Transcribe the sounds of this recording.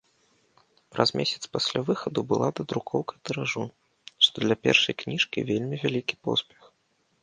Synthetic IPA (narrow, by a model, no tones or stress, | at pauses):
pɾa̰zmʲʔesʲɐ̥t̪spasʲlʲavɨxɐd̪ubɨlˠad̪ɐd̪ɾukʰɔwkɐt̪ɨɾaʐu | ʂt̪ɔd̪lʲɐpʲɛ̰rʂɐ̰jknʲiʂkʲḭvʲelʲmʲivʲalʲikʲi̥pɔ̰spʲɛx